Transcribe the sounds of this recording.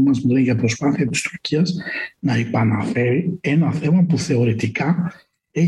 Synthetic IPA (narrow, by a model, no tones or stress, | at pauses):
mɐzmuðeʝɐpɾo̞spɐθiɐt̪i̥st̪u̥ɾciɐznɐepɐnɐfe̞ɾie̞nɐθe̞mɐpuθe̞o̞ɾit̪ikɐ | e